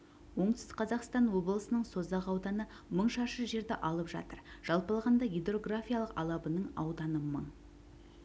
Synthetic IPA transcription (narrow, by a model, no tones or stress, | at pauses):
wo̞ɴt̪sqʰɑzɑqst̪ɑnwo̞blˠəsənəɴso̞zɑʁɑwd̪ɑnə | məɴʃɑʃəʒe̞ɾd̪eʔɑlˠəpʒɑ̰t̪əɾʒ̥ɑlˠpɑlˠʁɑnd̪ɑɡed̪ro̞ɡrafʲijalˠəqɑ̰lˠɑbənəɴɑ̰wd̪ɑnəməɴ